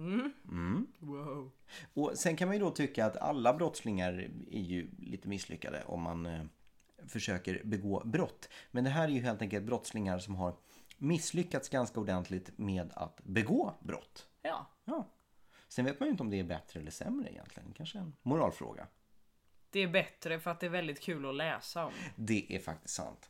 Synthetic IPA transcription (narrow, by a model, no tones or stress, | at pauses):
wa | ɔsɛnkʰanmanjɵd̪ɔt̪ʰʏkːaːt̪a̰lːabɾɔt̪slɪŋaɾæ̰ɾjɵlḭːt̪əmɪsːlʏ̰kːa̰d̪ə̰ʔɔ̰mːa̰n | fœʂøːkəɾbɛɡoːbɾɔt̪ːmɛnd̪ɛɦæːɾæɾjɵɦeːlt̪ɛŋkəlt̪̚bɾɔt̪slɪŋaɾʂɔmɦaɾmɪsːlʏkːat̪sɡanskaʊɖ̪ɛnt̪ʰlɪt̪meːd̪a̰t̪bɛɡoːbɾɔ̰t̪ːjɑː | sɛnveːt̪majʏnt̪ɔmd̪ɛːɾbɛt̪ɾəɛlːəʂɛ̰mɾə̰ɪ̰jɛ̰nt̪ʰlɪɡənkʰanʂəɛnmʊɾɑ̰ːlfɾo̰ːɡa̰ | d̪̥ɛæbɛt̪ɾəfœɾat̪̚d̪ɛæɾvɛld̪ɪt̪kʰʉ̟ːlɔlɛːsaɔmd̪ɛʔæɾfak̚t̪ɪ̥st̪sa̰nt̪